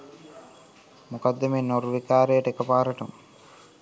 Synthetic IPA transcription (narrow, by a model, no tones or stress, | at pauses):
mukad̪ːemeːnoɾuʋikaːɾejəʈəekɐpaːɾɐʈum